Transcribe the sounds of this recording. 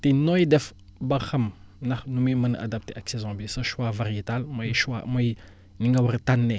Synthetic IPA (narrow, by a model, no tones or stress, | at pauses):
tenojdef | baxam | naxnumiməna̰dap̚teʔaksezãbisaʃwavaɾietalmajʃwa̰maj | niŋɡawuɾtanːe